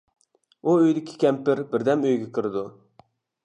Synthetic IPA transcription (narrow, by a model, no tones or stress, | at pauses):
uøjd̪ɪkʲʰɪ̥kʲʰɛmpɪɾbɪɾd̪ɛmøjɡʲɛkʰɨɾɨd̪u